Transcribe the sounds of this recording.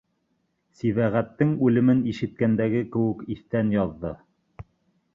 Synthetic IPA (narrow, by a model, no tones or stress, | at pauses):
siβæʁæt̪ːɘŋʉlɘ̆mɘniʃɘ̆t̪̚kænd̪æɡɘkɘ̆wɘ̆kiθt̪ænjɑðːɤ